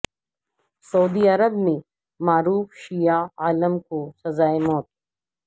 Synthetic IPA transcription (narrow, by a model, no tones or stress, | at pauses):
sɐud̪iɐɾəbmẽ | maːɾuːfʃijaaːləmkosɐzaːemɔːt̪̚